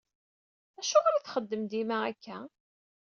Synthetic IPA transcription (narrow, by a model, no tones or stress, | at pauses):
æʃʊʁɾiθχəd̪ːəmd̪imæækʰːæ